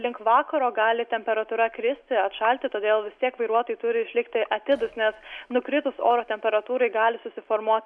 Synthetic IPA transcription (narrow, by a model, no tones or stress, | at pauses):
lʲɪŋkʋɑːkɐɾoːɡɑːlʲɪt̪ʲɛmʲpʲɛɾɐt̪ʊɾɐkɾʲɪsʲt̪ʲɪɐt̪ʃɐlʲt̪ʲɪt̪oːd̪ʲeːlˠʋʲɪst̪ʲiɛkʋɐɪɾuɔt̪oːjt̪ʊɾʲɪɪʃʲlʲɪkt̪ʲɪʔɐt̪ʲɪd̪ʊsnʲɛsnʊkɾʲɪt̪ʊso̰ːɾoːt̪ʲɛmʲpʲɛɾɐt̪uːɾɐɪɡɑːlʲɪsʊsʲɪfoːɾmuɔt̪